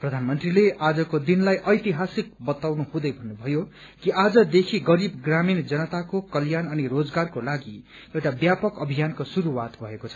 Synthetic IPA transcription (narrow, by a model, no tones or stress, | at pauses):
prʌd̪ʱanmʌnt̪rileʔad͡zʌkod̪inlajʔʌjt̪iɦasik̚bʌt̪awnuhɦũd̪ʌjbʱʌnːubʱʌjo | kiʔad͡zʌd̪ekʰiɡʌɾibɡramind͡zʌnʌt̪akokʌljanʌnirod͡zɡarkolaɡi | ewʈabjapʌkʌbʱijankosuɾuwat̪bʱʌekot͡sʰʌ̥